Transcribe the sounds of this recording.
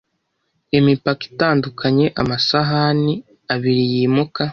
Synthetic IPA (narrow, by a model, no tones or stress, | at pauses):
emipaki̥taːndukʰaɲe̞ʔamasaɦani | aβiɾijiːmuka